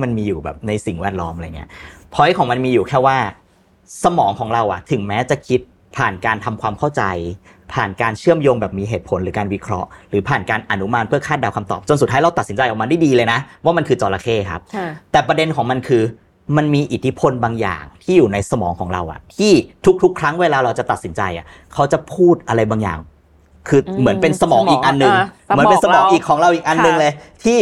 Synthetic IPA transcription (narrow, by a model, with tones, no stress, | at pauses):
ma˧nmiː˧juː˨˩bɛ̰ː˨˩p̚na˧jsi˨˩ŋwɛː˥˩t̪̚lɔː˦˥mʔjŋi˦˥ɐpʰɔ˨˦˥jkʰɔː˩˦ma˧nmiː˧juː˨˩kʰɛː˥˩waː˥˩ | sa˧mɔː˩˦ŋkʰɔː˩˦ŋɾa˧wʔa̰˨˩t̪ʰɯ˩˦ŋmɛː˦˥t͡ɕa˨˩kʰi˦˥t̪̚ | pʰaː˨˩nkaː˧nt̪ʰa˧mkʰwaː˧mkʰa˥˩wt͡ɕa˧j | pʰaː˨˩nkaː˧nt͡ɕʰɯ˥˩əmjoː˧ŋbɛː˨˩p̚miː˧ɦeː˨˩t̪̚pʰo˨˩˦nɾɯː˩˦kaː˧nwi˦˥kʰɾɔ˦˥ʔɾɯː˩˦pʰaː˨˩nkaː˧nʔa˧nu˦˥ma˧npʰɯ˥˩ɐkʰaː˥˩t̪̚daː˧wkʰa˧mt̪ɔ̰ː˨˩p̚t͡ɕo˧nsuː˨˩a˦˥ɾa˧wt̪a˨˩t̪si˩˦nt͡ɕa˧jʔɔː˨˩ŋma˧da˥˩jdiː˧lɤː˧jna˦˥ʔwaː˥˩ma˧nkʰɯː˧t͡ɕɔː˧laː˧kʰeː˥˩kʰa˦˥p̚t̪ɛː˨˩pɾa˧de˧nkʰɔː˩˦ŋma˧nkʰɯː˧ | ma˧nmiː˧ʔi˨˩t̪ʰːi˦˥pʰo˧nbaː˧ŋja̰ː˨˩ŋt̪ʰiː˥˩juː˨˩na˧jsa˧mɔ̰ː˩˦ŋkʰɔː˩˦ŋɾa̰˧wʔa̰˨˩ʔt̪ʰiː˥˩t̪ʰu˦˥k̚t̪ʰu˦˥kʰɾa˦˥ŋweː˧laː˧ɾa˧wt͡ɕa˨˩t̪a˨t̪̚si˩˦nt͡ɕa˧jʔa̰˨˩ | kʰa˦˥wt͡ɕa˨˩pʰuː˥˩t̪̚ʔa˧ɾa˧jbaː˧ŋja̰ː˨˩ŋ | kʰɯː˧mɯ˩˦ənpe˧nsa˧mɔː˨˦ŋmʔiː˨˩ʔa˧nːɯ˨˧ŋ | mɯ˩˦ə˦pe˧˦nsa˧mɔː˨˦ŋʔiː˨˩kʰːɔː˩˦ŋɾa˧wʔiː˨˩k̚ʔa˧nːɯ˨˧ŋlɤː˧jt̪ʰiː˥˩